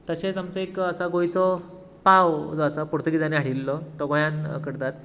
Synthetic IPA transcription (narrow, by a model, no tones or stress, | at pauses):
t̪əɕet͡samt͡sɔekəsaɡojt͡sɔ | pawd͡zɔəsapuɾt̪əɡid͡zaneɦaɽilːɔt̪ɔɡɔjankəɽt̪at̪